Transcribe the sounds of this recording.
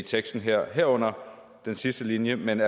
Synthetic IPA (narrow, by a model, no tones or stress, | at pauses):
it͡sʰeɡ̥sd̥n̩ɦeɐ̰ɦeɐɔ̽n̰ɐ | d̥ensisd̥əlinjəmenæ